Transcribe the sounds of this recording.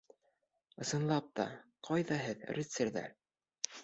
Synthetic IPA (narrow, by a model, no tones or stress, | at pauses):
ɤ̆sɤ̆nlˠɑp̚t̪ɑ̰qʰɑjðɑɦɘðrʲit̪seɾðæ̰ɾ